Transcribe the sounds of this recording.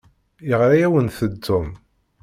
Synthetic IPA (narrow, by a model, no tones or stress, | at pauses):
jəʁɾajæwənθəd̪ːʊm